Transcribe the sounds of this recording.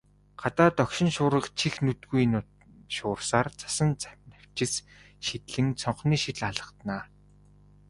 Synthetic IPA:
ɢat̪aːt̪ɔkʃɪ̆nʃʊːɾə̆qt͡ɕʰixnɵt̪ɡujn | ʃʊːrsaːrt͡sʰḁsə̆nt͡sanaw̥t͡ɕɪ̆s | ʃit̪ɮɘ̆ŋt͡sʰɔɴχniːʃit̪ɮaɮə̆t̪naː

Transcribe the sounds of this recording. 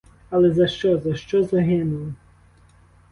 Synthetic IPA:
ɐlˠɛzɐʃt͡ʃɔzɐʃt͡ʃɔzɐɦɪnʊlˠɔ

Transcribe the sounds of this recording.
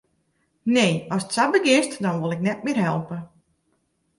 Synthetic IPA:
neːɔsətsabəɡɪstdɔnʋolˠɪknɛt̚mɪːrɦɛlˠpə

